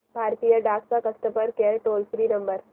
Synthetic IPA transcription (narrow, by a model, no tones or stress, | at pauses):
bʱaːɾt̪ijaɖaːksakɐst̪əpəɾkeʈoːlfɾiːnɐ̃mbəɾ